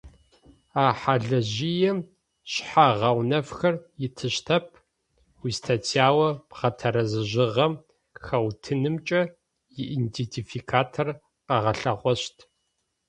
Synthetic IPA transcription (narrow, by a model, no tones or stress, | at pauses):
aːħaɮɐʑijɛm | ɕħaʁɐwnɐfxɐrjɪtʰɨɕtʰɐpʰ | wiːstʰatʰiaːwɐpʁɐtʰɐɾɐzɨʑɪʁɐm | xɐwtʰɨnɨmt͡ʃʼɐ | jɪʔintetʰifikʰaːtʰor | qɐʁɐɬɐʁʷɔɕtʰ